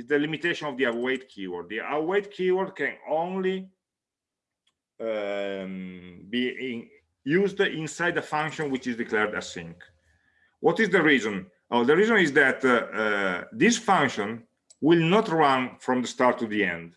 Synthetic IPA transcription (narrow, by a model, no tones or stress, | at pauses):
izd̪əlimit̪eʃɔ̃nɔvd̪iawejt̪̚kʰiwɔ̰ɹd̪̚d̪iʔawejt̪̚kʰiwɔɾd̪̚kɛ̃nõnli | bi | juzd̪ĩnsajd̪əfãŋkʃɔ̃nwit͡ʃizd̪iklɛɾd̪æ̰sḭ̃ŋk | wʔɔt̪izd̪əɹizɔ̃n | ʔod̪əɹizɔ̃nizd̪æt̪ | d̪isfãŋkʃɔ̃n | wilnɔt̪ɹãnfɾɔ̃md̪əst̪aɾt̪ːud̪iɛ̰̃nd̪